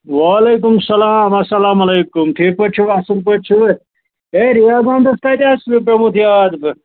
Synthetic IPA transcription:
waːlejk̬umsɐlaːmɐsɐlaːmɐlejkumʈʰik̚pəɾt͡ʃʰuasilpɐɾt͡ʃʰu | eɾijaːɡãmd̪ɐst̪ajt̪eɐspɾɐmut̪ʰijad̪b

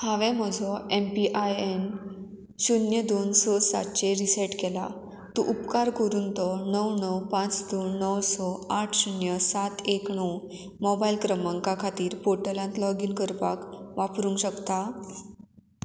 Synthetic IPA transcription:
hãʋɛ̃m̤əd͡zʱɔempiʔajen | ɕunjəd̪onsɔsa̰t̪t͡ɕeɾisɛʈkɛla̰ | t̪uʔupkaɾkəɾunt̪ɔnəwnəwpãt͡sd̪onːəwsɔaʈʰɕunjəsat̪ekɳəw | mɔbailkɾəməŋkakʰat̪iːɾpoʈəlãnt̪lɔɡinkəɾpakʋapɾũːŋɕəkt̪a

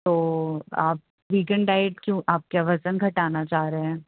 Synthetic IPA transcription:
t̪oːaːp̚ | ʋiːkɛ̃ɳɖɖaːɪʈ̚kjũːʔaːp̚kaʋɐsənɡʱɐʈaːnat͡ʃaːɾeɛ̃ː

